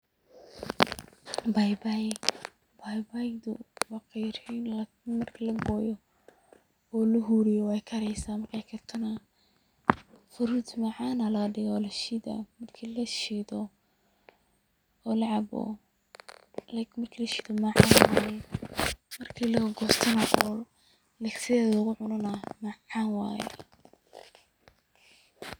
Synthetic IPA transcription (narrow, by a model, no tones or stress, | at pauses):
bajbaj | bajbajd̪ʊ̰wɑqɛjrinl | mɐrkʰlɐɡɔːjɔ | ɔːlɐɦuɾɪjɔwɛjkʰɐɾɛjsaːmɐrkʰajkʰɐrt̪ʰɐnɐ | fʊɾud̪mɐʕaːnɐlɐɖɪɣɔlɐʃɪd̪a̰mɐrkʰilɐʃidɔ | ɔlɐʕɑbɔ̰ | lmɐrkʰilɐʃid̪ɔmaʕaːnwaːjɛ | mɐrkʰiːlɐɣɡɔːst̪ʰɐnɐʔɔː | lɛɡsɪðɛːðɐlɣʊʕʊnɐnɐmaʕaːnwɑ̰ːjɛ̰